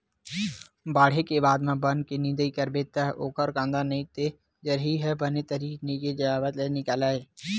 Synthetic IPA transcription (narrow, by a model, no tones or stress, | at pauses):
baːɽ̤ekebaːd̪mãbə̃nkenɪ̃nd̪əikəɾbeːt̪aɦʔoːkəɾkãːnd̪anɐɦĩt̪e | d͡ʒəɾɦiɦɛbənet̪əɾiːkneked͡ʒəaːbət̪lenɪkaːlaːeː